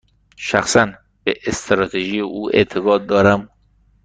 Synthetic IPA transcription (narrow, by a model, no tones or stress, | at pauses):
ʃæxsæn | b̥eʔest̪ʰɾɒːt̪ʰeʒiːjeʔuːʔḛɾt̪ʰeɡɒːt̪̚d̪ɒːɾæm